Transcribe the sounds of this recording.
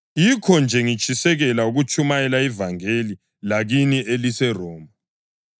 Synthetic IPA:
jikʰɔnd͡ʒʱɛŋit͡ʃʰʼisɛɣɛlauɣut͡ʃʰʼumajɛlaivaŋeli | laɣiniʔelisɛrɔːmbʱa

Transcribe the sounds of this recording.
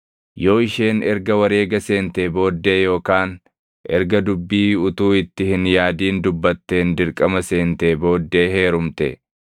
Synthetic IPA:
jo̞ːɪʃe̞ːnɛɾɡɐwɐɾe̞ːɡɐse̞ːnt̪e̞ːbo̞ːd̪ːe̞ːjo̞ːkaːn | ʔɛɾɡɐd̪ʊbːiːʊt̪uːɪt̪ːɪhɪnjaːd̪iːnd̪ʊbːɐt̪ːe̞ːnd̪ɪɾkʼɐmɐse̞ːnt̪eːbo̞ːd̪ːe̞ːɦe̞ːɾʊmt̪ɛ̰

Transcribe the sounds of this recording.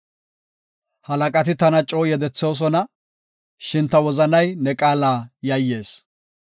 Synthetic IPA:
hɐlɐkʼɐt̪ɪt̪ɐnɐt͡ʃʼoːjɛd̪ɛt͡sːoːs̬ɔnɐ | ʃɪnt̪ːɐwɔzɐnɐjnɛkʼaːlaːjɐjːe̞ːs

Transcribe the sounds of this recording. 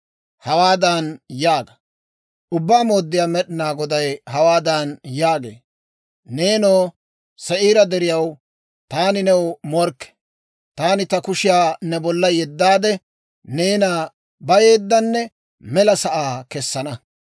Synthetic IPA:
hɐwaːd̪ɐnjaːɡɐ | ʔʊbːaːmoːd̪ːɪjaːmɛɗɪnaːɡɔd̪ɐjhɐwaːd̪ɐnjaːɡḛː | neːnoː | sɛʔiːɾɐd̪ɛɾɪjɐw | t̪aːnɪnɛwmɔɾkːɛ̥ | t̪aːnɪt̪ɐkʊʃɪjaːnɛbɔlːɐjɛd̪ːaːd̪ɛ | neːnaː | bɐjeːd̪ːɐnːɛ | mɛlɐsɐʔaːkɛsːɐnɐ

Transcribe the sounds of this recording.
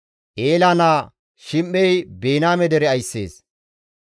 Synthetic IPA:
ʔeːlaːnaː | ʃɪmːɛjbeːnaːmɛd̪ɛɾɛɐjsːḛːs

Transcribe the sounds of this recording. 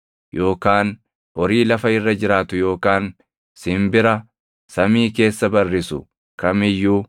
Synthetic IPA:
jʔo̞ːkaːn | ʔɔɾiːlɐfɐɪrːɐd͡ʒɪɾaːt̪ʊjo̞ːkaːn | sɪmbɪɾɐ | sɐmiːke̞ːsːɐbɐrːɪsʊ̰ | kɐmɪjːu

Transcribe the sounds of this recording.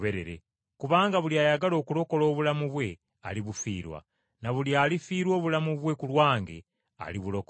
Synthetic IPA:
βeɾe̞̰ɾḛ | kuβaːŋɡaβuljaːjaɡalo̞ːkulo̞ko̞lo̞ːβulamuβwe̞ | a̰liβufḭːɾwa̰ | naβuljaːlifiːɾwo̞ːβulamuβwe̞kulwaːŋɡe̞̰ | a̰liβulo̞k

